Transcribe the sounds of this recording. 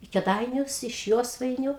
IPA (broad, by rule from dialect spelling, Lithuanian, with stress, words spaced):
ɪ kʲɛˈdɐɪnʲʊs ɪʃ ˈjoːsʋɐɪnʲʊ